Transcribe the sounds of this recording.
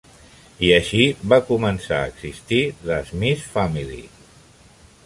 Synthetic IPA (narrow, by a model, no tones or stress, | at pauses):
iəʃiβakumənsa̰əɡzist̪iðəzmisfamilḭ